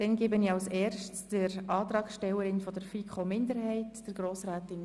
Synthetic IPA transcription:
d̥ɛnɡeːbəniɑlsɛːrʃtsd̥əɾɑːt̪ɾɑːkʃtɛwəɾɪnfɔdəɾfikʰomɪndəɾhɛɪtd̥əɾɡɾoːsɾaːtɪn

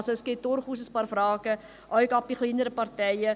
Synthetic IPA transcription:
səskitɔrχus̬əspɑrfrɑːkə | ʔœjkɑp̚iχlindəɾəpɐrtɛjə

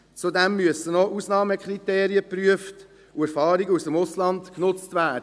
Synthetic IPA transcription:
t͡sudɛmːyəsənɔʔusnɑːməkʰɾiteːɾiəpɾyəft | uæɾfɑːɾiɡəusəmʊslɑntknʊt͡stvæːdə

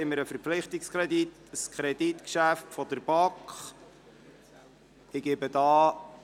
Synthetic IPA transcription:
ɪmːəɾəfəɾpflɪχtɪkskʰɾɛdit | skʰɾɛd̥itkʃæftfɔd̪əɾb̥ɑkχ | ɪɡ̥ɪbədɑː

